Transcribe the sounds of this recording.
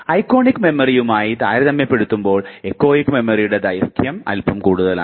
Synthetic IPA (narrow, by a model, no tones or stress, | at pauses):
ɐjkːo̞ːnikːɨme̞mɐrijumaːjit̪aːjɾɐðɐmːepeɽut̪ːumbo̞ːɭekːo̞ːjikːme̞mɐrijuɽe̞d̪ɐjɐrt̪ʰjɐmɐ̰lpɐmkuːɽuðɐla̰